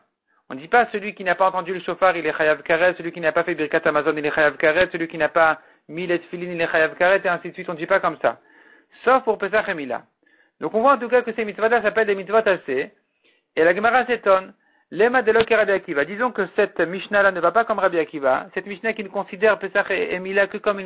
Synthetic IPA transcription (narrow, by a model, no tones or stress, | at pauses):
ɔ̃d̪ipasəlɥikʲinapaɑ̃t̪ɑ̃d̪yləʃofaʁilɛχajavkaʁɛt̪səlɥikʲinapafɛbiʁkat̪amazɔnilɛχajavkaʁɛt̪səlɥikʲinapa | milet̪filinileχajavkaʁɛt̪eɛ̃sid̪sɥit̪ɔ̃d̪ipakɔmsa̰ | sɔfpuʁpes̬aχemila̰ | d̪ɔ̃kɔ̃vwaɑ̃t̪̬ukakəsɛmit̪svɔt̪lasapɛld̪emit̪t͡svɔt̪ase | elaɡəmaʁaset̪ɔn | lemad̪elɔkeʁabiakʲivad̪izɔ̃kəsɛt̪miʃnalanəvapakɔmʁabiakʲiva̰sɛt̪miʃnakʲinəkɔ̃sid̪ɛʁpesaχeemilakəkɔmyn